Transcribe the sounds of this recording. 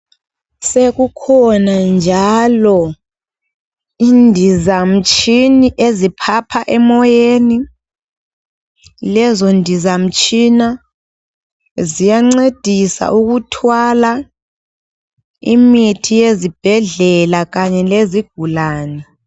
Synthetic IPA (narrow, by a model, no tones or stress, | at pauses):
seɣukʰɔnand͡ʒʱalɔ | indʱizam̩t͡ʃʼʰiniʔezipʰapʰaʔɛmɔjeni | lɛzondʱizam̩t͡ʃʼina | zijaŋ͡ǀed̥ʱisa̰ʔuɣutʰwala | ḭmitʰijezib̥ʱɛɮɛlaɣaɲɛleziɡ̥ʱulaːnɛ